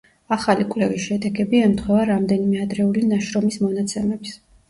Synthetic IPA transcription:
aχalikʼlɛvisʃɛd̪ɛɡɛbiɛmt̪χwɛvaɾamd̪ɛnimɛad̪ɾɛulinaʃɾɔmismɔnat̪sʰɛmɛbs

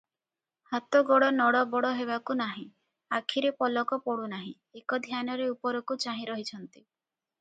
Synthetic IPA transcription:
hat̪ɔɡoɽɔnɔɽɔbɔɽɔɦeβakunaɦĩ | akʰiɾepɔlɔkɔpɔɽunaɦĩ | ekɔd̪ʱjanɔɾeupɔɾɔkut͡ʃaɦĩɾɔɦit͡ʃʰɔnt̪i

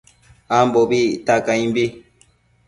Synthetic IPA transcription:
ambobitakaĩmbi

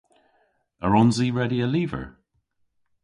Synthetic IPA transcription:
əɹɔnziɹɛdiəliːvə̰˞ɹ

